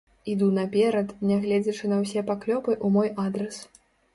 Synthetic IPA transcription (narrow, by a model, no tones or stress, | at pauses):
id̪unɐpʲɛɾɐt̪nʲaɣlʲɛd͡zʲɐt͡ʂɨnɐws̬ʲɛpaklʲɔpɨʔumɔjad̪ɾɐs